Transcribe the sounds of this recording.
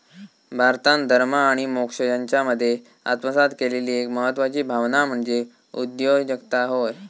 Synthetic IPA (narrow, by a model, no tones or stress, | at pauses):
bʱaɾt̪and̪ʱəɾmaːɽ̃imokɕəjaɲt͡ɕjaməd̪ʱːje | a̰t̪məsad̪keleliːekməɦət̪ːʋat͡ɕiːbʱaʋnam̤əɳd͡ze | ṵd̪joɡjəkt̪aɦot̪